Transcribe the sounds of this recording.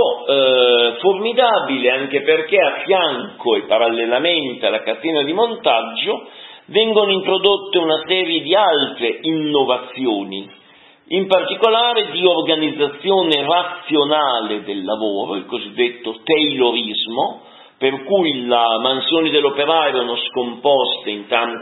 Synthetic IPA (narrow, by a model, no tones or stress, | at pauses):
ɔ | formid̪abileaŋkeperk̟eafːjaŋkoepːaɾalːelament̪ealakat̪ɛːnad̪imont̪ad͡ʒːovɛŋɡonoint̪ɾod̪ot̪ːeunasɛːɾjed̪ialt̪ɾeinːovat̪sːjoːni | impart̪ikolaːɾed̪iorɡanid̪zːat̪sːjoːnerat̪sːjonaːled̪elːavoːɾo̰ilkozid̪ːet̪ːot̪ejloɾizmo | perkujlamansjoːnid̪elːopeɾaɛɾonoskompɔst̪eint̪an